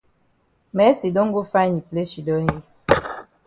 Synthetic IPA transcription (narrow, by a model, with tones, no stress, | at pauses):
mɛ˨˦si˨do˦ŋ˦ɡo˦fa˦ɲi˨ple˦ʃi˨dɔ˦n˦i˦